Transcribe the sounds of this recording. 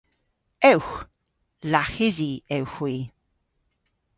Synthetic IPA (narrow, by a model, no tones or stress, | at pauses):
ɛwx | laxɪziɛwxwiː